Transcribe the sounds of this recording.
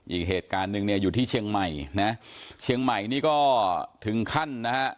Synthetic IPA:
ʔiː˨˩k̚ɦeː˨˩t̪̚kaː˧nːɯ˨˧ŋni˥˩ɐjuː˨˩t̪ʰiː˥˩t͡ɕʰi˧əŋma˨˩jna˦˥t͡ɕʰi˧əŋma˨˩jniː˦˥kɔː˥˩t̪ʰɯ˩˦ŋkʰa˥˩nːa˦˥ha˦˥ʔ

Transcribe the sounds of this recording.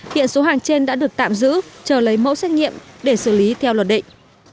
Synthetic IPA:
hḭ˧˨ənso˨˦ɦaː˨˩ŋt͡ɕe˧nɗa̰ː˧˥ɗɨ˨˩ək̚t̪a̰ː˧˨mzɨ̰˧˥t͡ɕəː˧˩lə˨˦jmo̰˧˥wsɛ˦˥t̚ŋḭ˧˨əmɗe˧˩sɨ˧˩li˨˦t̪ʰɛ˧wlwə˨˩t̚ɗḭ̈˧˨ŋ̟

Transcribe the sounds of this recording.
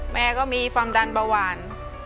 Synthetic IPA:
mɛː˦˧˥kɔː˥˩miː˧fa˧mda˧nbaː˧waː˧n

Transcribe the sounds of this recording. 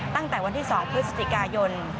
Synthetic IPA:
t̪a˥˩ŋt̪ɛː˨˩wa˧nt̪ʰiː˥˩sɔː˩˦ŋpʰɾɯ˦˥sa˧˩t͡ɕi˨˩kaː˧jo˧n

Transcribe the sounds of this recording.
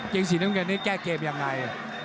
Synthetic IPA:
ke˧ŋs̬i˨˦naː˦˥˩ŋka˧˩nːiː˦˥˩kɛː˥˩keː˧mja˧ŋːa˧j

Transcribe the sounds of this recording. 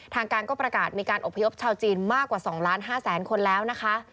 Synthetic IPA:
t̪ʰaː˧ŋkaː˧nkɔː˥˩pɾa˧kaː˨˩t̪̚miː˧kaː˧nʔo˨˩pʰːa˧jo˦˥p̚t͡ɕʰaː˧wt͡ɕiː˧nmaː˥˩kːwaː˨˩sɔː˩˦ŋlaː˦˥nɦaː˥˩sɛː˩˦nkʰo˧nlɛː˦˥wna˦˥kʰa˦˥ʔ

